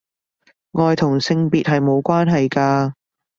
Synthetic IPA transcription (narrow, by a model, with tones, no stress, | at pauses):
ŋɔː˨jt̪ʰʊ˨˩ŋsɪ˧ŋpiː˨t̚ɦɐ˨jmo˨˧wkʷwaː˥nɦɐ˨jkaː˧